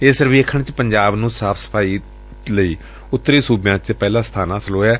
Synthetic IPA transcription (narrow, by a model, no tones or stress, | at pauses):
eːsəɾʋeːkʰəɳt͡ʃpəɲd͡ʒaːbnũːsaːpʰsə̥pʰaːiː | ləiː | ʊt̪ːɾiːsuːbjãːt͡ʃpɛːlãːst̪ʰaːnãːsəloːɛː